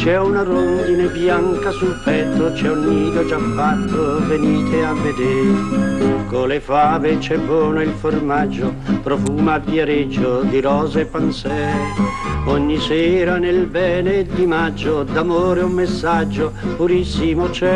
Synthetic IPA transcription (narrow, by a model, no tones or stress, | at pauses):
t͡ʃɛunaɾond̪inebjaŋkasulpɛt̪ːot͡ʃɛunːiːd̪od͡ʒafːat̪ːovenist̪ʰeavːed̪eːɾekolefaːvet͡ʃɛvɔːnoilformad͡ʒːopɾofuːmapːjaɾed͡ʒːod̪iɾɔːzeɛpːansɛːeɔɲːisɛːɾanelbɛːned̪imad͡ʒːod̪amoːɾeumːesːad͡ʒːopuɾisːimot͡ʃɛ